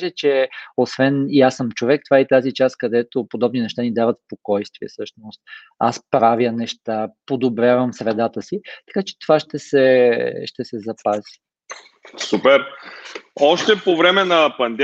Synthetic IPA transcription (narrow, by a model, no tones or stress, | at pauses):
ʒɛt͡ʃɛosvɛniasəmt͡ʃovɛk̚t̪ovaɛit̪azit͡ʃaskɐd̪ɛt̪opod̪ɔbninɛʃt̪anid̪avət̪spokɔjst̪viɛ̰sɤʃnost̪̚ | a̰spɾavjənɛʃt̪apod̪obɾʲjavəmsɾɛd̪at̪əsit̪ɐ̥kat͡ʃɛ̥t̪ovaʃt̪ɛsɛʃt̪ɛsɛzɐpazi̥ | supɛɾ | ɔʃt̪ɛpovɾɛmɛnɐpɐnd̪ɛ